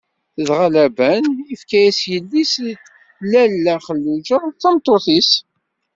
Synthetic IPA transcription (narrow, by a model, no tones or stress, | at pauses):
θəðʁalæbænifkæjæsjəlːis | lælːæχəlːud͡ʒəθæmt̪ˤːoθis